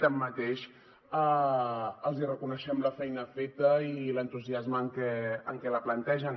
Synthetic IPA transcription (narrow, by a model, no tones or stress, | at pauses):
t̪əmːət̪eʃ | a | əlˠzirəkunəʃɛmləfɛjnəfet̪əilənt̪uziazməːŋkɛəŋkɛləplənt̪ɛʒən